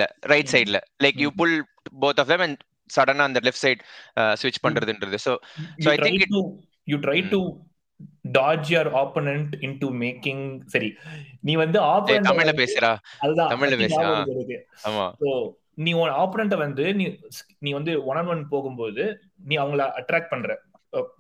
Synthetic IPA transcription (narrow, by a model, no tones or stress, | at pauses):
lɐ̰ɾɐɪʈsɐɪɖɪlɐlɐɪkjuːpʊl | boːt̪ɔfd̪ɛ̃mɛ̃n | sɐɽɐnaːɐnd̪ɐlɪfʈsɐɪɖsʋɪt͡ʃːpɐɳːɾɐðɯɪnɾɐðɯsoːjsoːɐɪʈɾʰɪ̃ŋɪkɪʈu | juːʈɾɐɪʈu | ɖaːd͡ʒjɐɾaːponɛɳʈɪɳʈumeːkɪ̃ŋsɐɾinĩːʋɐnd̪ɯaːpɛɐmɪɭlɐpeːsɐɾaːɐðɯðãːt̪ɐmɪlɐpeːaːɐɪɾɯkːɯaːma̰ːsoː | nĩːɔnaːponɛɳʈɐʋɐnd̪ɯnĩːs | niːʋɐnd̪ɯɔɳɐnʋɐnpoːɣɯmpoːðɯ | nĩːɐʋɐŋɡɐɭaʔɐʈɾæːk̚ʈ̚pɐɳːɾɛ̃ː | soː